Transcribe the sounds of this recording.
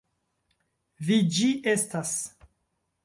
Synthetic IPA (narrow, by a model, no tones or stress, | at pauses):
vid͡ʒiʔe̞stas